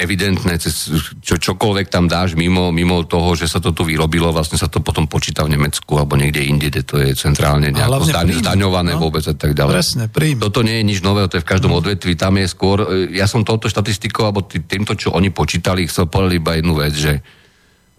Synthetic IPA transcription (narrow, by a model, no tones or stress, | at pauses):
ɛʋid̪ɛnt̪nɛt͡sɛst͡ʃɔt͡ʃɔkɔlʋɛk̚t̪amd̪aːʒmimɔmimɔt̪ɔɦɔʒɛsat̪ɔt̪uʋiɾɔbilɔʋlasɲɛsat̪ɔpɔt̪ɔmpɔt͡ʃiːt̪avɲɛmɛt͡skualɛbɔɲɛɡɟɛinɲɟɛɟɛt̪ɔjɛt͡sɛnt̪ɾa̰ːlɲɛɲɛakɔzd̪azd̪aɲɔʋanɛːʋʊɔbɛd͡zat̪aɡɟalɛɛsɛɾit̪ɔt̪ɔɲɪɛjɛɲid͡ʒnɔʋɛːɦɔt̪ɔjɛfkaʒd̪ɔmɔd̪ʋɛt̪ʋit̪amjɛskʊɔɾjasɔmt̪ɔʊt̪ɔʃt̪at̪ist̪ikɔʊalbɔt̪it̪iːmt̪ɔt͡ʃɔʔɔɲipɔt͡ʃiːt̪alixt͡sɛlpɔd̪alibajɛd̪nuʋɛd͡zʒɛ